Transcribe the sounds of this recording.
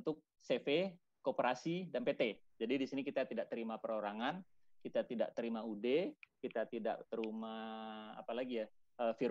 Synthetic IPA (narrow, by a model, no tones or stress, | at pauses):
nt̪ʊk̚ | sefe | kopəɾasidanpet̪ed͡ʒadidisinikit̪at̪idaʔ̚t̪əɾimapəɾoɾaŋan | kit̪at̪ida̰ʔ̚t̪əɾimaudekit̪at̪ida̰ʔt̪əɾima̰ːpalaɡijaəfi